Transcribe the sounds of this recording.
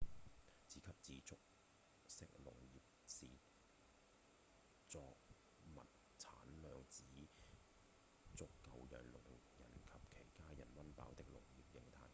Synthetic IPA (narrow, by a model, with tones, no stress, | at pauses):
t͡siː˨˥kʰɐ˨p̚t͡siː˨˧t͡sʊ˥k̚ | sɪ˥k̚lʊ̰˨˩ŋjiː˨p̚siː˨˩ | t͡sɔː˧k̚ | mɐ̰˨t̚ | t͡sʰaː˨˥nlœː˨˧ŋt͡siː˨˥ | t͡sʊ˥kːɐ˨˧wjœ̰ː˨˩ŋlʊ˨˩t̪ʰʊ˨˩jɐ̰˨˩nkʰɐ˨p̚kʰe˨˩jkaː˥jɐ̰˨˩nwɐ˥npa̰ː˨˥wt̪ɪ˥k̚lʊ̰˨˩ŋjiː˨˩p̚jɪ˨˧ŋt̪ʰaː˧j